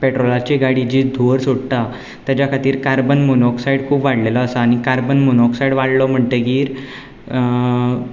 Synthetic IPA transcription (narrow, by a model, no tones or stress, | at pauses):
peʈɾolat͡ɕeɡaɽid͡ʑid̪ʱoɾsoɽt̪a | t̪jat͡ɕjakʰat̪iːɾkaɾbənmunɔksaiɽkʰuːpʋaɽlelɔːsaːñikaɾbənmunɔksajɽʋaɽlɔm̤əɳt̪eɡiːɾ